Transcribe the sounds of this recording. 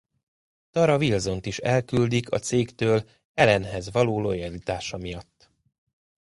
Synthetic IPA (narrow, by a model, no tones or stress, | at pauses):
t̪ɒɾɒvilzo̞nt̪iʃɛlkyld̪ikʰɒ̰t̪seːkt̪øːl | ɛlɛnɦɛzʋɒloːlo̞jɛlit̪aːʃɒmijɒt̪ː